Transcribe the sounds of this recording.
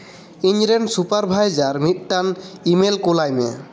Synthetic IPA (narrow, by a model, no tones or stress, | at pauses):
iɲɾensupaɾbʱajzaɾmit̚ʈanimelkolajmḛ